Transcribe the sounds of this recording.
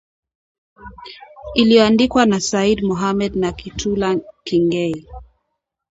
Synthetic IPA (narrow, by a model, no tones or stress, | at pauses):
ilijɔandikwanasaidmɔɦamɛd̚nakitʰulakiŋɡɛi